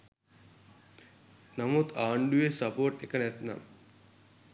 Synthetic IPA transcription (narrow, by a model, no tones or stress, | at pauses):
nɐmot̪aːɳɖujesɐpoːɾʈekːɐnet̪na̰ːm